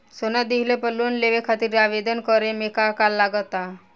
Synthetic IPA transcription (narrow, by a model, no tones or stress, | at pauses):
sonad̪iɦlepəluːnleʋekʰat̪iːɾaʋed̪ənkəɾemekakalːaɡət̪a